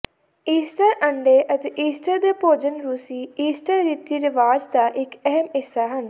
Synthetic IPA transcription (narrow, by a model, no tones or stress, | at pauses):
iːsʈəɾʔəɳɖeːʔət̪eːʔiːsʈəɾd̪eːpoːd͡ʒənɾuːsiːiːsʈəɾːiːt̪ːiːɾɪʋaːd͡ʒd̪aːʔɪkɛɦəmɦɪsːaːɦən